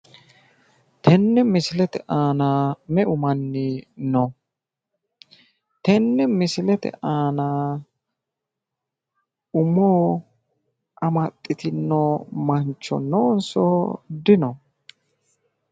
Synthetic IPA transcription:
t̪ɛnːɛmɪsɪlɛt̪ɛʔaːnaːmɛʔʊmɐnːɪno | t̪ɛnːɛmɪsɪlɛt̪ɛ̰ʔaːnaː | ʊmoː | ʔɐmɐt̪ʼːɪt̪ɪnːoːmɐnt͡ʃːɔ̰noːnsɔ̰d̪ɪnɔ

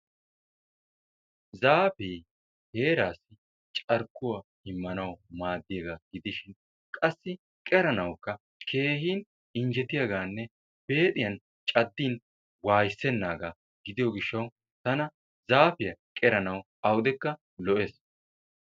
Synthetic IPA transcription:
zaːfeː | heːɾaːsːɪ | t͡ʃʼɐɾkːʊwahɪmːɐnɐwmaːd̪ːɪjɐɡaɡ̥ɪd̪ɪʃɪn | kʼɐsːɪ | kʼɛɾɐnɐwkːɐ | kʰe̞ːhiːn | ɪnd͡ʒɛt̪ːɪjɐɡaːnːɛ | b̥e̞ːt̪ʼɪjɐn | t͡ʃʼɐd̪ːiːn | waːjsːɛnːaːɡaː | ɡɪd̪ɪjɔɡɪʃːɐw | t̪ɐnɐ | zaːfɪjɐkʼɛɾɐnɐwʔɐwd̪ɛkːɐ | lɔʔeːs

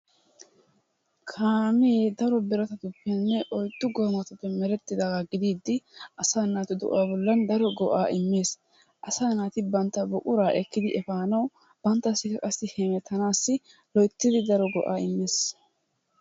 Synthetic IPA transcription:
kʰaːmeːd̪ɐɾɔbɪɾɐt̪ɐt̪ʊpːɛnːɛʔɔjd̪ːʊɡoːmɐt̪ʊpːɛmɛɾɛt̪ːɪd̪aɡaɡɪd̪iːd̪ːɪʔɐsaːnaːt̪ɪd̪ɔ̰ʔaːbɔlːɐnd̪ɐɾɔɡɔʔaːʔɪmːeːs | ʔɐsaːnaːt̪ɪbɐnt̪ːɐbɔkʼʊɾaːʔɛkːɪd̪ɪʔɛfaːnɐw | b̥ɐnt̪ːɐsːɪkɐkʼɐsːɪhɛmɛt̪ʰːɐnaːsːɪ | lɔjt̪ːɪd̪ɪd̪ɐɾɔɡɔ̰ʔaːɪmːeːs

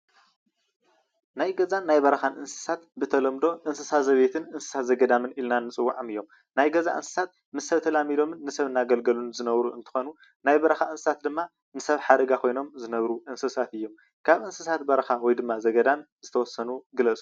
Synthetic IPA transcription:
najɡɐzanːajbɐɾɐxanʔɨnsɨ̥sat̪bɨt̪ʰɐlɐmd̪o̞ʔɨnsɨsazɐβet̪ʰɨnɨnsɨ̥sat̪zɐɡɐd̪amɨnilnanːɨt͡sʼɨwːaʕomɨjːo̞m | najɡɐza̰ʔɨ̰nsɨ̥sat̪̚ | mɨsːɐβt̪ʰɐlamilo̞mɨnːɨsɐβɨnːaɡɐlɡɐlunzɨnɐβɾuɨ̰nt̪ʰɨ̥xo̞nu | najbɐɾɐxaɨnsɨsat̪̚d̪ɨmːa | nɨsɐβħad̪ɐɡakʰo̞jno̞mzɨnɐβɾuʔɨnsɨsat̪ɨjːo̞m | kʰaβʔɨnsɨsat̪̚bɐɾɐxawɔjd̪ɨmːazɐɡɐd̪am | z̥ɨt̪ʰɐwɔsːɐnuɡɨlɐt͡sʼu̥

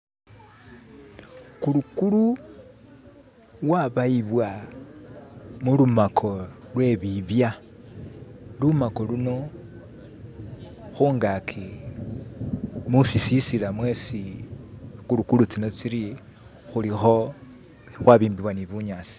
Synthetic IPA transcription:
kulukulu | waβaiβwa | mulumakʰo̞lwe̞βiβja | lumako̞luno̞ | xuŋɡakʰi | musisisilamwe̞si | kulukulut͡sino̞t͡siɾi | xulixo̞ | xwaβiːmbiβwaniβuɲaːt͡si̥

